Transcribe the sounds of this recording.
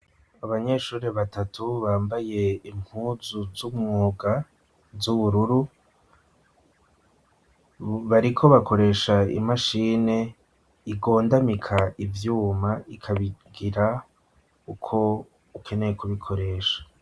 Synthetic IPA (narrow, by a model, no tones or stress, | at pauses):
aβaɲe̞ʃuːɾeβatatʰuβaːmbaje̞im̥huːzuzumŋoːɡa | zuβuɾuɾu | βaɾikʰo̞βakʰo̞ɾe̞ʃaḭmaʃiːne̞ | iɡo̞ːndamikʰaivjuːmaikʰaβiɡiɾa | ukʰo̞ | ukʰe̞ne̞jekʰuβikʰo̞ɾe̞ːʃḁ